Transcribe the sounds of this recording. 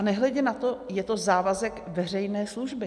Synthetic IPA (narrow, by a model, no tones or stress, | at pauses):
anɛɦlɛɟɛnat̪o̞jɛt̪o̞zaːvazɛkvɛr̝ɛjnɛːsluʒbɪ